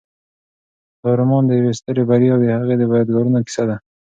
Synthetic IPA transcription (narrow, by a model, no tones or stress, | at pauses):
d̪ɑɾʊmɑnd̪əjawest̪əɾebaɾjɑwd̪əhaɣed̪əbajɑd̪ɡɑɾunoki̥sad̪a